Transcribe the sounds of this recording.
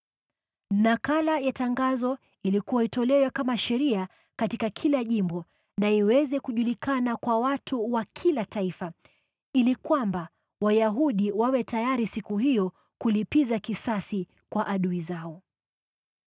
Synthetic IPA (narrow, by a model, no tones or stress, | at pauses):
nakalajataŋɡazɔ | ilikuwaitɔlɛwɛkamaʃɛɾia | katikakʰilaʄimbɔ | naiwɛzɛkuʄulikanakwawatʰuwakʰilataifa | ilikwamba | wajaɦuɗiwawɛtajaɾisikuhijɔ | kulipizakisasi | kwaʔaɗuizaɔ